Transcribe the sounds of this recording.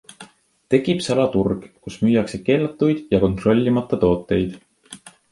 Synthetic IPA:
t̪e̞ɡib̥sɑlɑt̪urɡ̥kusmyːjɑkse̞ke̞ːlɑt̪ːˑujd̪̥jɑko̞nt̪ro̞lʲːimɑt̪ːˑɑt̪o̞ːt̪ːˑe̞jd̪̥

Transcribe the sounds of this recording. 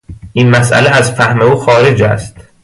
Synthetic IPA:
ʔiːnmæsʔæ̰leæzfæhme̞uːxɒːɾe̞d͡ʒæ̰st̪

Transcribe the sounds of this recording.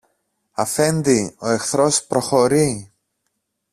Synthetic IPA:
ɐfe̞nd̪io̞e̞xθɾo̞spɾo̞xo̞ɾi

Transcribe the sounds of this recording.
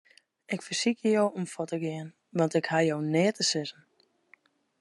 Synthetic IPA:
ɪkfəsikjəjowomfɔtəɡɪən | ʋɔntɪkhajoːnɪətəsɪzən̩

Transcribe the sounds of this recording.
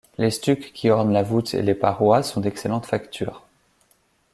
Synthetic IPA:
lest̪ykʲkʲʰːiɔʁnlavut̪ʰḛlepaʁwasɔ̃d̪ɛkselɑ̃t̪fakt̪ʰyːʁ

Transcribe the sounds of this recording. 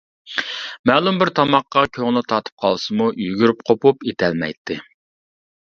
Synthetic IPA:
mɛːlˠumbɪɾt̪ʰɑmɑqːɑkʲʰøŋlˠɨt̪ʰɑt̪ʰɨ̥p̚qʰɑlˠsɨmujyɡʲyɾyp̚qʰopupet̪ʰɛlmɛ̰jt̪ʰːɪ

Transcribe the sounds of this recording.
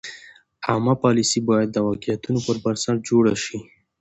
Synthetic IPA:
amapɑlisibɑjad̪̚ːəwɑkijat̪unopəɾbaɾsaɽd͡ʒoɽaʃi

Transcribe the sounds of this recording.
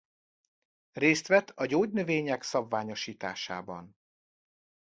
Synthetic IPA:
reːst̪ʋɛt̪ʰːɒɟoːɟnøveːɲɛksɒbvaːɲo̞ʃiːt̪a̰ːʃa̰ːbɒ̰n

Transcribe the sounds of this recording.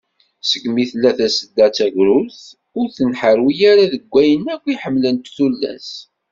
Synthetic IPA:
səɡmiθlːæθæsəd̪ːæt͡sːæʝɾʊlθ | ʊɾθənħəɾwijaɾaðəɡʷːæjənækʷːiħəmːlənt̪θulːæ̰s

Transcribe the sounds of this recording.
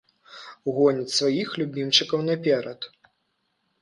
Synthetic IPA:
ɣɔnʲit͡sʲsvajixlʲubʲimt͡ʂɨkɐwnɐpʲɛɾɐt̪

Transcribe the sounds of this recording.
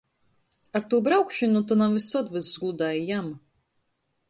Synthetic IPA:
aɾt̪uːbɾawkʃɨnut̪unamvisɔt̪vɨzzɡlˠud̪aːjijam

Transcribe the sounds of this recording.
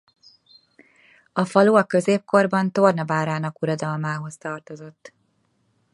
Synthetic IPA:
ɒfɒluɒkø̞zeːp̚ko̞rbɒnt̪o̞rnɒbaːɾaːnɒkuɾod̪ɒlmaːɦo̞st̪ɒrt̪o̞zo̞t̪ː

